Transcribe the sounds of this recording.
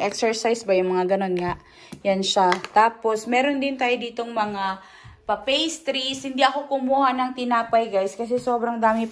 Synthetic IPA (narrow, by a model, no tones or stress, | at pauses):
ʔɛksɛɹsajsbajʊŋmɐŋaɡɐno̞nŋaʔ | janʃat̪aːpo̞smɛːɾond̪ɪnt̪aːjod̪iːt̪o̞ŋmɐŋa | pɐpejst̪ɾishɪnd̪iʔɐko̞kʊmuːhanɐŋt̪ɪnaːpajɡajskɐs̬ɛsoːbɾɐŋd̪aːmɪ